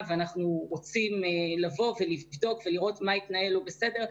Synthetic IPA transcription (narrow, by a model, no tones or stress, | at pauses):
vanaχnuʁo̞t͡simelavo̞ve̞livvdo̞kve̞liʁo̞tmaitnaelobe̞se̞de̞ʁ